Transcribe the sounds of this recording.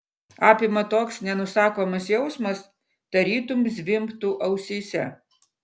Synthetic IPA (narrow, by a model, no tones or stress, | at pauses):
ɑːpʲɪmɐt̪oːksnʲɛnʊsɑːkoːmɐsjɛʊsmɐs | d̪̥ɐɾʲiːt̪ʊmzʲʋʲɪmpt̪uʔɐʊsʲiːsʲɛ